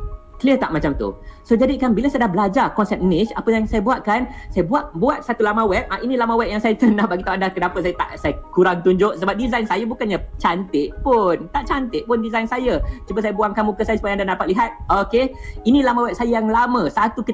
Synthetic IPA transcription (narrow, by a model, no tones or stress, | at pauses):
kəliət̪aʔmat͡ʃamt̪ṵsod͡ʒadikanbilasajədahbəlad͡ʒarkɔnsɛp̚nit͡ʃapəjaŋsajəbuaʔ̪̚kansajəbuaʔ̚buat̪̚sat̪ulamãwɛt̪̚ʔaʔinĩlamãwɛʔ̚jaŋsajət̪ənahbaɡit̪awandakənapat̪̚sajət̪a̰ʔsajəkuɾaŋt̪uɲd͡ʒʊʔsəbap̚dizajnsajabukanɲat͡ʃant̪ɪʔpʊnt̪aʔt͡ʃant̪ɪʔ̚pʊndizajnsajət͡ʃubəsajəbuaŋkamukəsajasu̥pajandandaapat̪̚liɦat̪̚okeinĩlamãwɛʔ̚sajəjaŋlamə̃sat̪ukit̪